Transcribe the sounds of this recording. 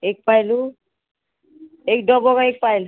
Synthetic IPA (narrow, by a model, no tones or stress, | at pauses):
ek̚pajlu | ejɖɔbɔkaek̚pajl